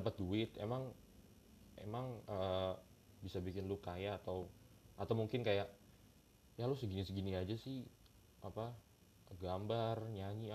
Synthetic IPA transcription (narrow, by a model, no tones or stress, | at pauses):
dapət̪̚duɪt̪̚ḛmaŋ | ʔḛmaŋə | bisabikɪnlʊkajaːt̪awʔat̪awmuŋkɪnkajaʔ | jalʊsəɡinisəɡiniad͡ʒasɪh | ʔapa | ɡambarɲaɲia